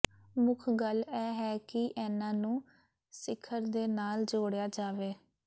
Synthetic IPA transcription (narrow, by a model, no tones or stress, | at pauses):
mʊkʰɡəlɛːɦɛːkɪʔɛːnãːnũː | sɪkʰːəɾd̪eːnaːld͡ʒoːɽejaːd͡ʒaːʋeː